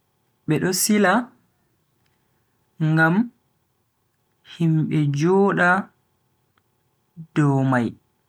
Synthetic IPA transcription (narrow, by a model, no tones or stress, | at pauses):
ɓɛɗɔsila | ŋɡam | himɓɛd͡ʒɔːɗa | d̥ɔmaj